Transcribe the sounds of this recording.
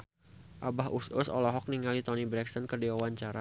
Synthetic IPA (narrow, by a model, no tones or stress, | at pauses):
ʔabaɦusʊ̰sɔ̰lɔɦɔk̚niŋalit̪ɔnibɾɛksənkərdiwawaɲt͡ʃaɾa